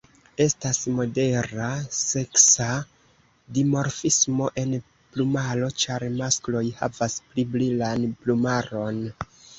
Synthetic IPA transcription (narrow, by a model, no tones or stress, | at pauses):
e̞stasmo̞de̞ɾase̞ksa | dimo̞ɾfismo̞ʔe̞n | plumalo̞t͡ʃaɾmasklo̞jha̰vaspliblilanplumaɾo̞n